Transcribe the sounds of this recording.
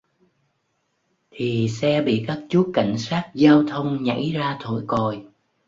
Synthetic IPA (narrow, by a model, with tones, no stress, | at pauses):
t̪ʰi˨˩sɛ˧ɓḭ˧˨kaː˦˥k̚t͡ɕu˦˥ka˧˩jŋ̟saː˦˥k̚zaː˧wt̪ʰə˧wŋ͡mɲa̰˧˥jzaː˧t̪ʰo˧˩jko˨˩j